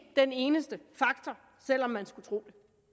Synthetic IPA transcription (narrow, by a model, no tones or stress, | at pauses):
d̥ene̝ːnəsd̥əfɑ̈ɡ̥t͡sʰɒ | sel̰ɒ̽mːænsɡ̥ut͡sʰʁo̝̰ːd̥e